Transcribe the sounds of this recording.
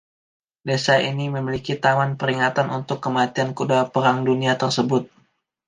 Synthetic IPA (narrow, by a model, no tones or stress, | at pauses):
desaʔiniməmilikit̪amanpəɾiŋat̪anʔunt̪ʊkːəmat̪iankudapəɾaŋduniat̪ərsəbʊt̪̚